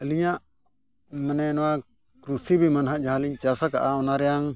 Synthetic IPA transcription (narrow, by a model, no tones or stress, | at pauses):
əliɲaʔ | manɛnɔwa | kɾusibimanɦaʔd͡ʒaɦaliɲt͡ʃasakaʔaɔnaɾɛjaŋ